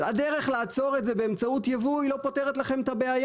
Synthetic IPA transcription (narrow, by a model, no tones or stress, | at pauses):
adeʁeχlaat͡so̞ʁetzebeːmt͡sautjavuilo̞po̞teʁet̪laχe̞mt̪abeaj